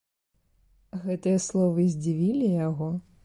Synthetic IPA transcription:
ɣɛt̪ɨjɐslˠɔvɨzʲd͡zʲivʲilʲijaɣɔ

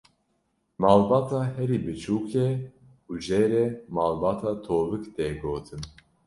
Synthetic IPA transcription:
mɑːlbɑːt̪ʰɑːhɛɾibɨt͡ʃʰuːkʰɛ | uʒeːɾɛmaːlbɑːt̪ʰɑːt̪ʰoːvɨkd̪ɛɡoːt̪ʰɨn

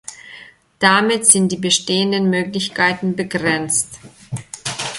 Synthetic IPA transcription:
d̥amɪtz̥ɪnt̚d̥iːbəʃteːəndənmøːklɪçkʰaɪtn̩bəɡʁɛnt͡st

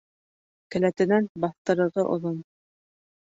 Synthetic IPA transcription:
kɘ̆læt̪ɘ̆nænbɑθt̪ɤ̆ɾɤ̆ɾʁɤʔŏ̰ðon

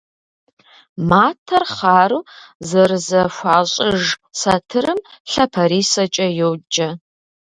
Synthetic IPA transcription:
maːtʰɐrχaːɾuːzɐrɨzɐʃʷaːɕʼɪʒsɐtʰɨɾɨmɬɐpʰɐɾiːsɐt͡ʃʼɐjowd͡ʒʼɐ

